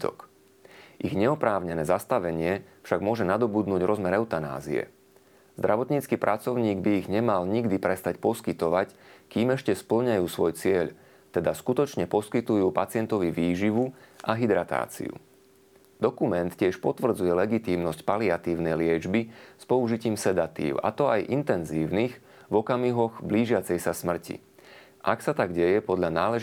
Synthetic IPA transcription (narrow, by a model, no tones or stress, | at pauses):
ɔ̰k | ʔiɣɲɛɔpɾaːʊɲɛnɛːzast̪aʋɛɲɪɛfʃaɡmʊɔʒɛnad̪ɔbud̪nuːɟɾɔzmɛɾɛʊt̪ana̰ːzḭɛ̰ | zd̪ɾaʋɔt̪ɲiːt͡skiːpɾʔat͡sɔʊɲiːɡbiːɣɲɛmalɲiɡd̪ipɾɛst̪acpɔskit̪ɔʋackiːmɛʃcɛspl̩ɲajuːsʋɔjt͡sɪɛʎ | t̪ɛd̪askut̪ɔt͡ʃɲɛpɔskit̪ujuːpat͡sɪɛnt̪ɔʋiʋiːʒiʋuʔaɦid̪ɾat̪a̰ːt͡sḭṵ | d̪̥ɔkumɛnt̪cɪɛʃpɔt̪ʋr̩d͡zujɛlɛɡit̪iːmnɔscpaliat̪iːʊnɛjlɪɛd͡ʒbispɔuʒiciːmsɛd̪at̪ḭːʊa̰t̪ɔajʔint̪ɛnziːʊnix | vɔkamiɦɔɣbliːʒɪat͡sɛjsasmr̩cḭ | ʔaksat̪aɡɟɛjɛpɔd̪ʎanaːlɛ